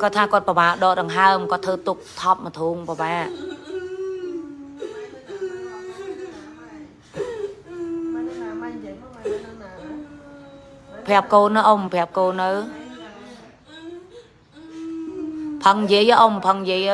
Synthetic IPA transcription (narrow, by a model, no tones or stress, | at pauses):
koət̪ʰːaːkŏət̪̚pəɓaːʔɗɔːɗəŋɦaəmkŏət̪ʰːəːt̪uk̚t̪ʰɑp̚mət̪ʰuːŋpəɓaːʔ | pʰɛ̆əp̚koːnːaʔoːmpʰɛ̆əp̚koːnːɨw | pʰəŋjiəjəʔompʰəŋjiəjə